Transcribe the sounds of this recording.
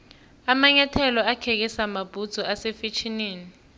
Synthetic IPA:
amaɲatʰɛlɔakʰɛk̬ɛsamab̥ʱud̥z̥ʱɔʔasefet͡ʃʰineːni

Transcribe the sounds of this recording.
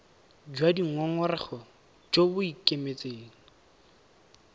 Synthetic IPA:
d͡ʒwadiŋ̩ɔŋʊrɪχɔ | d͡ʒobʊikʼemet͡sʼeːŋ̩

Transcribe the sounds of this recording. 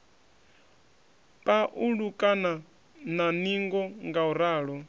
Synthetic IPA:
pʼaʔuɺukʼana | naniŋɡɔŋɡauɾaːɺɔ

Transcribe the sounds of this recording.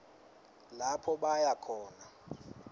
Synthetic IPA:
lapʰɔɓajakʰɔːna

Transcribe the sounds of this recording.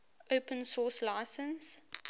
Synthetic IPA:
oʊpə̃nsɔːslaɪsə̃ns

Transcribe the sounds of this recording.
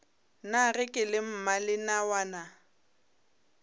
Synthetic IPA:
narɪkʼɪlɪm̩malɪnawaːna

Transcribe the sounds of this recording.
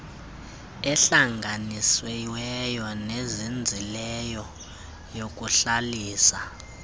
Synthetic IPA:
ɛɬaŋɡʱaniswɛwɛjɔnezind͡zʱilɛjɔ | jok̬ʼuɬaliːsa

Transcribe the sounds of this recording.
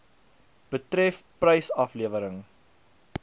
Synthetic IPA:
b̥ətɾɛfprəjsɐfliəvəɾəŋ

